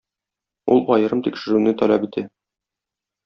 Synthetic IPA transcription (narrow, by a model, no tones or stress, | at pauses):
ulˠbɒjɤ̆ɾɤmt̪ikʃɘ̆ɾʉnɘt̪ɒlˠɑpit̪ʰæ